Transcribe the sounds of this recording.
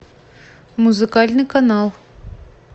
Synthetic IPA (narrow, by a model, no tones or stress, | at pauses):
muzɨkalʲnɨkanalˠ